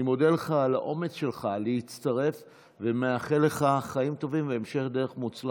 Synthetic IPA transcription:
imo̞d̪eleχalaʔo̞me̞t͡sʃe̞lχaleit͡st̪aʁe̞f | vemeaχele̞χaχaimt̪o̞vimveːmʃe̞χd̪eʁeχmut͡sla

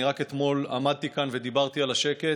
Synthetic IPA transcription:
iʁaket̪mo̞lamad̪̚t̪ikanve̞d̪ibaʁt̪ialaʃe̞ke̞

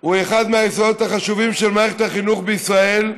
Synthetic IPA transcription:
ueχad̪meajesoot̪haχaʃuvimʃelmaeχethaχinuχbeisʁae̞l

